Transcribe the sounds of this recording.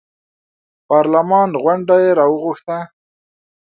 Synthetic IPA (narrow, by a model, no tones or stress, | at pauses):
pɑɾlamɑnɣwaɳɖajeɾɑwəɣʊxt̪a